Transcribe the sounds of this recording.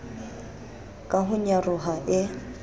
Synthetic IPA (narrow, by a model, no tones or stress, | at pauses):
kʼaɦʊɲarʊɦaʔɪ